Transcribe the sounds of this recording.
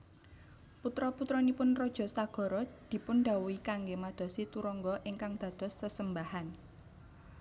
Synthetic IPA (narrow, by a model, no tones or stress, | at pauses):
put̪ɾɔput̪ɾɔnipʊnrɔd̥ʒ̥ɔ̤saɡ̥ɔ̤ɾɔd̪̥i̤pʊnɖa̤wuikaŋɡemad̪̥ɔ̤sit̪uɾɔŋɡɔʔɪŋkaŋd̪̥ä̤d̪̥ɔ̤sːəsəmbahan